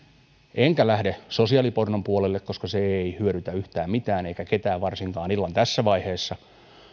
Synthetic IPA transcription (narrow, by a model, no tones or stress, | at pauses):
ʔeŋkælæhdesosiɑlipornompuolelːekkoskɑseeihyøɾyt̪æyht̪æːmmit̪æːneikæket̪æːʋʋɑrsiŋkɑːnilːɑnt̪æsːæʋɑiheːsːɑ